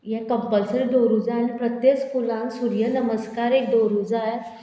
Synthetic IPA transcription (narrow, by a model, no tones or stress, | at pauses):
jɛ̃kəpːəlsəɾed̪oɾud͡zalĩpɾət̪jekskulãŋksuɾjənəməskaɾek̚d̪oɾud͡zaj